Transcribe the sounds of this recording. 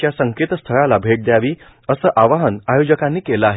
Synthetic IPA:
jasəŋket̪st̪ʰəɭalabʱeʈ̚d̪jaʋiː | əsəːʔaʋaɦənajod͡ʑəkãnːiːkeləaɦe

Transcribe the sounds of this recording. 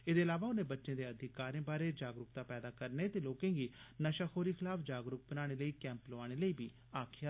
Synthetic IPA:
eːd̪eːəlaːʋaːʊnẽːbətːʃẽːd̪eːəd̪ʱɪkaːɾẽːbaːɾeːd͡ʒaːɡɾʊk̚t̪aːpɛːd̪aːkəɾneːt̪eːloːkẽːɡiːnəʃaːxʰoːɾiːkʰɪlaːfd͡ʒaːɡɾʊk̚bənaːɽ̃eːləiːkɛ̃ːmploaːɽ̃eːləiːbiː | aːkʰɪjaː

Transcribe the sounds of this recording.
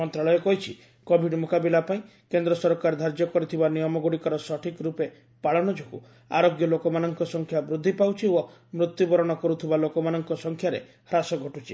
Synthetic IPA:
mɔnt̪ɾaɭɔjɔkɔɦit͡ʃʰi | kɔbʱiɖmokabilapaĩ | kend̪ɾɔsɔɾkaɾd̪ʱaɾd͡ʒjɔkɔɾit̪ʰibanijɔmɔɡuɽikɔɾɔsɔʈʰikɾupe | paɭɔñɔd͡ʒɔkṵ | a̰ɾoɡjɔlokɔmanɔŋkɔsɔŋkʰjabɾud̪ʱːipawt͡ʃʰio | mɾut̪jubɔɾɔɽ̃ɔkɔɾut̪ʰibalokɔmanɔŋkɔsɔŋkʰjaɾḛ | hɾasɔɡʱɔʈut͡ʃʰi

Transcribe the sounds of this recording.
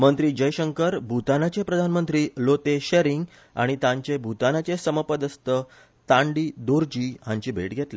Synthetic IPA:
mənt̪ɾiːd͡ʑəjɕəŋkəɾbʱut̪anat͡ɕepɾəd̪ʱanmənt̪ɾiːlot̪eɕeɾiŋɡ | a̰ɽ̃it̪ãɲt͡ɕebʱut̪anat͡ɕesəməpəd̪əst̪ə | t̪ãɳɖiːd̪oɾd͡ʑiːɦãɲt͡ɕiːbʱḛʈɡʱet̪le

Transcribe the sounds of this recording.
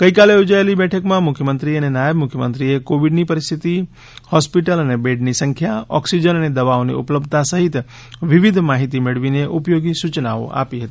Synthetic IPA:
kəikaleud͡ʒaelibɛʈʰəkmãmʊkʰjəmənt̪ɾiənenajəbmʊkʰjəmə̰̃nt̪ɾiekoʋiɖnipəɾɪst̪ʰit̪i | hɔspiʈələnebeɖnisə̃ŋkʰjaɔ̰ksid͡ʒənəned̪əʋaonḭṵpləbd̪t̪asəɦit̪ | ʋiʋid̪ʱmaɦit̪imeɭʋineʔupjoɡisut͡ʃnao̰ʔa̰piɦət̪ii

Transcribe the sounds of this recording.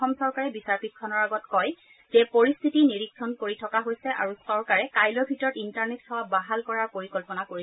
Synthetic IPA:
ɔmsɔɹkaɹɛbisaɹpitkʰːɔnɔɹaɡɔtkɔj | zɛpoɹist̪ʰitiniɹiksɔnkoɹitʰɔkaɦojsɛʔa̰ɹusɔɹkaɹɛkajlɔbʱitɔɹɔtintaɹnetːʰɔwabaɦalkɔɹaɹpoɹikɔlpɔnakoɹis

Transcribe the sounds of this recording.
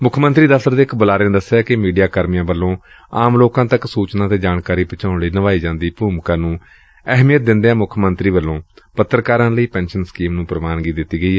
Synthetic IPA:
mʊkʰmə̃nt̪ɾiːd̪əft̪əɾd̪eːɪkbəlaːɾeẽd̪əsːjaːkɪmiːɖijaːkəɾmijãːbəlːõː | aːmloːkãːt̪əksuːt͡ʃnaːt̪eːd͡ʒaːnkaːɾiːpət͡ʃaːʊ̃ɳliːnəʋaːiːd͡ʒãːnd̪iːpuːmkãːnũː | ɛɦmijət̪̚d̪ɪnd̪eãːmʊkʰmənt̪ɾiːʋəlːõːpət̪ːɾəkaːɾãːləiːpɛ̃ːnʃənskiːmnũːpɾəmaːnɡiːd̪ɪt̪ːiːɡəiːɦɛː

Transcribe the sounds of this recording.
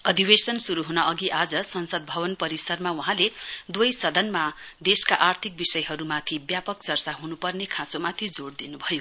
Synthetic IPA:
ʌd̪ibesʌnsuɾuɦunʌʔʌɡiʔad͡zʌsʌnsʌd̪̚bʱʌβʌnpʌɾisʌrmawuɦãled̪wʌjsʌd̪ʌnmad̪eskaʔart̪ʰik̚bisʌjɦʌɾumat̪ʰibjapʌkt͡sʌrt͡saɦunupʌrnekʰãt͡somat̪ʰid͡zoɽd̪inubʱʌjo

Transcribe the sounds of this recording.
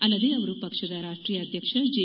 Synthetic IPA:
ɐlːɐd̪eɐʋɾupɐkʂɐd̪aɾaːʂʈɾiːjəɐd̪ʱjɐkʂɐd͡ʒe

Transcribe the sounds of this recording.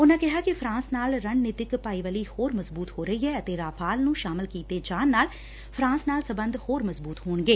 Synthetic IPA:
ʊnãːkɪɦaːkɪfʰɾãːsnaːlɾəɳnɪt̪ɪkpaːiːʋəliːhoːɾməzbuːt̪hoːɾəɦiːɦɛːət̪eːɾaːpʰaːlnũːʃaːmɪlkiːt̪eːd͡ʒaːnːaːl | pʰɾãːsnaːlsəbənd̪hoːɾməzbuːt̪hoːɳɡeː

